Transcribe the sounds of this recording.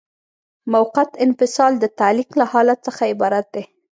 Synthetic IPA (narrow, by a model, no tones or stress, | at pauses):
mawqat̪ɪnfɪsɑld̪ət̪aliklahɑlat̪səxaɪbɑɾat̪̚d̪e